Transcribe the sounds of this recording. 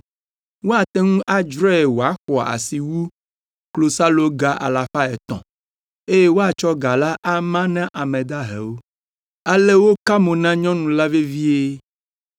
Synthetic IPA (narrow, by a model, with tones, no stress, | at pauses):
wo˦a˨t̪ɛ˦ŋũ˦ʔa˦d͡ʒɾɔ˦e˨wo˨a˦xɔ˨a˨a̰˨si˨wu˦ | klo˨sa˦lo˦ɡa˨ʔa̰˨la˨fa˦ɛ˨t̪ɔ̰̃˨ | e˦je˦wo˦a˨t͡ʃɔ˦ɡa˨la˦ʔa˦mã˦nã˦ʔa˨mɛ̃˨d̪a˦ɦḛ˨wo˦ | a˦le˦wo˦ka˦mõ˨nã˦ɲɔ̃˦nũ˨la˦ve˦vi˦e˦